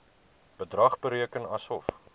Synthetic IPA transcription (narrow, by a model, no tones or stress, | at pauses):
b̥ədrɐχbəɾiəkənɐsɔf